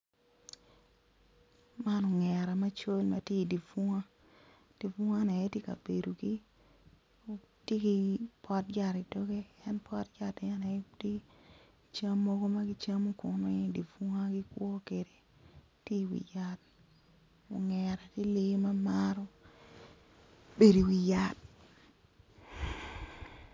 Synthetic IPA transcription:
ma˦no˨ŋɛ˨ɾa˨ma˦t͡ʃo˦lma̰˦te˦i˨di˨fu˦ŋa˦ | d̥i˨fu˦ŋa˦nɛ˨jɛ˦te˦ka̰˨be˨do˨ɡi˦ | o˨ | tje˦ki˦pɔ˦t̚d͡ʒa˦˨ɾi˨do˦ɡe˦ɛ˦npɔ˦t̚d͡ʒa˨tɪ˨a˦nɛ˨˦ti˦ | t͡ʃa˦mːɔ˦ɡo˦ma˦ɡi˦t͡ʃa˦mo˦kʊ˨nɔ˦i˦di˨fu˦ŋa˦ɡɪ˦kwɔ˦ke˨ɾe˨ | ti˦wḭ˨ja˦t̚ | o̰˨ŋɛ˨ɾa˨ti˦li˦ma˦ma˦ɾɔ˦ | be˨ɾi˨wi˨ja˦t̚

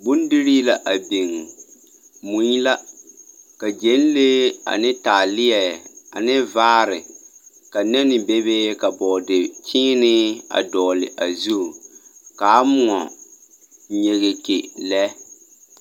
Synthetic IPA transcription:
bʊ˦ndɪ˦ɾi˦la˦ʔa˨bi˨ŋ | mu˨˦ji˦la˦ | ka˨d͡ʒe˨˦n˦le˦a̰˨nɪ˦taː˨lɪ˦ɛ˨a˨nɪ˦vaː˦ɾɪ˨ | ka˨nɛ˦nɪ˨be˦be˦ka˨bɔː˨dɪ˨t͡ʃʰɪː˦nɪ˦a̰˨dɔː˨lɪ̰˨ʔa˨zu˦˨ka˨˦mʊ˨ŋɔ˨ | ɲe˨ɣe˨kḛ˨lɛ˦

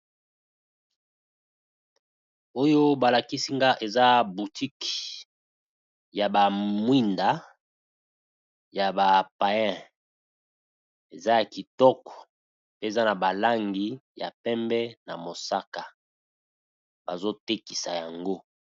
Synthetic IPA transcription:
o˦jo˦ba˨la˨ki˦si˦ŋɡa˦ʔe˨za˦bu˨ti˦k | ja˨ba˨mwi˦nda˨ | ja˨ba˨pa˨jɛ̃˦˨ | e˨za˦ja˨ki˨tɔ˦kɔ̥˨ | pe˦e˨za˦na˨ba˨la˦ŋɡi˦ja̰˨pɛ˦mbɛ˦na˨mo˨sa˦ka˨ | ba˨zo˦te˦ki˨sa˨ja˨ŋɡo˦

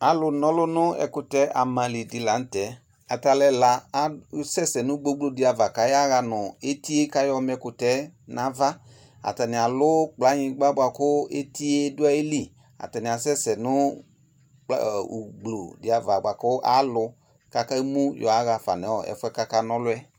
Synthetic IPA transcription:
a˨lʊ˧nɔ˦lʊ˦nʊ˦ɛ̰˧kʊ˧tɛ˨˦a˨mã˨li˨dɪ˨˦la˨˦n̩˦tɛ˨˦ | a˨ta˧lɛ˧la˧a˨˦sɛ˦˨sɛ˨nʊ̃˦ɡ͡bo˧˦ɡ͡blo˨dɪ˨˦a˧va˨ka˨˦ja˦ɣa˧nʊ˨e˦ti˦e˦ka˧jɔ˧m˦ɛ˧kʊ˨tɛ˨˦na˨va˦ | a̰˨ta˨nɪ˨a˨lʊ˦k͡pla˨˦ɲĩ˧˦ɡ͡ba˦ɡ͡bʷa˧kʊ˦e˦ti˦e˦dʊ˦a˦e˦li˦˨ | a̰˨ta˨nɪ˨a˨sɛ˦sɛ˨nʊ˦ | k͡pɡ͡blo˨dɪ˨a˨va˨ɡ͡ba˨kʊ˦ʔa̰˦lʊ˧ | ka˦ka˦i˦mũ˦jɔ̰˨a˨˦ɣa˧fa̰˨nɛ˨˦ɔ˨ɛ̰˨˦fʊ˦ɛ˦ka˦ka˦nɔ˦lʊ˦ɛ˦

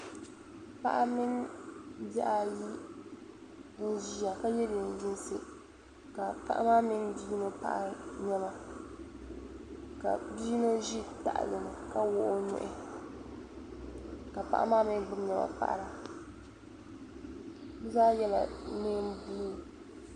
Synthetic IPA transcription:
pa̰˦ʔa˦mɪ˦n | ba˦ʔa˨ji˦ | bʊ˦nʒi˦a˨ka˦jɛ˦lɪ˨n˨dɪ˦nsɨ˨ | ka˨pa˦ʔa̰˦maː˦mɪ˦nbiː˦no˦pa̰˦ʔa˨ɲɛ˦ma˨ | ka̰˨biː˦no˦ʒi˦ta̰˨ʔa̰˨lɨ˨nɨ˨ka˦wʊ˦ʔo˦ɲʊ̰˦˨ʔɪ˨ | ka˨pa̰˦ʔa̰˦maː˦mɪ˦nɡ͡bʊ˦mɲɛ˦ma̰˨pa̰˨ʔɾa˨ | bʊ˦zaː˦jɛ˦la˨neː˦m˦buː˦

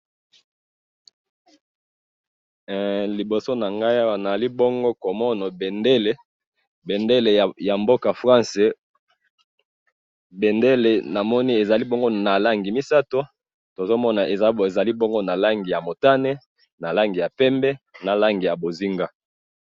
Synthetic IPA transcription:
li˨bo˨so˦na˨ŋɡa˦i˦a˦wa˨na˨zli˦bo˦ŋɡo˦ko˨mɔ˦na˨be˨nde˦le˦ | bɛ˨nde˦le˨ja˨mbo˦ka˨fʁã˦nse˦ | be˨nde˦le˨na˨mɔ˦ni˦e˨za˨li˦bo˦ŋɡo˦na˨la˦ŋɡi˨mi˦sa˦to˦ | to˨zo˦mɔ˦na˨ʔe˨ze˨za˨li˦bo˦ŋɡo˦na˨la˦ŋɡi˨ja˨mo˨ta˦ne˦ | na˨la˦ŋɡi˨ja˨pɛ˦mbɛ˦na˨la˦ŋɡi˨ja˨bo˨zi˦ŋɡa˦

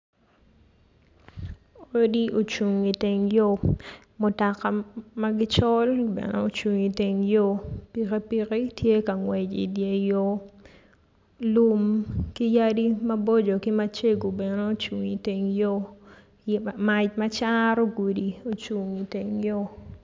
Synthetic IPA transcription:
o˦di˦o˨t͡ʃu˨ŋi˨te˨ŋjo˦ | mʊ˨ta˨ka˨ma˦ɡɪ˦t͡ʃɔ˦lbɛ̰˨nḛ˦o˨t͡ʃu˨ŋi˨te˨ŋjo˦pi˨ke˦pi˦ke˦tje˦ka˨ŋwɛ˨d͡ʒḭ˨dje˨jo˦ | lu˦mki˦ja˦di˦mɐ˦bo˦d͡ʒo˨ki˦ma˦t͡ʃe˦ɡo˨bɛ˨ne˦o˦t͡ʃu˨ŋi˨te˨ŋjo˦ | ma˨t͡ʃmɐ˦t͡ʃa˦ɾo˦ɡu˨di˨o˨t͡ʃu˨ŋi˨te˨ŋjo˦

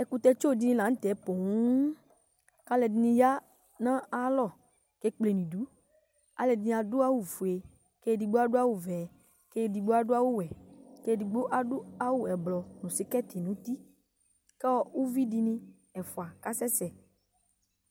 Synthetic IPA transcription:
ɛ˨ku˨t̪ɛ˧t͡ʃo˦˨di˨nĩ˦lã˨ŋ̩̃˦t̪ɛ˨˦po˨ŋu˦ | ka˦lɛ˨di˨nĩ˧ja˦ | nã˦a˦lɔ˦˨ | ke˦k͡ple˨n˨ĩ˨du˨˦ | a̰˨lɛ˨di˨nĩ˧˨a˨dʊ˦a˦wu˨fu˨e˨ | ke˦di˨ɡ͡bo˦a˦dʊ˦a˦wu˨vɛ˨ | ke˦˨di˨ɡ͡bo˦a˦dʊ˦a˦wu˦wɛ˨ke˦di˨ɡ͡bo˦ʔa˦dʊ˦a˦wu˦ɛ˨blɔ˨nũ˨si˨˦kɛ˦t̪e˨nũ˦t̪i˦ | kɛ˦ɔ˦u˦vi˦di˧nĩ˧ | ɛ˨fu˨a˨ka˦sɛ˦sɛ˨

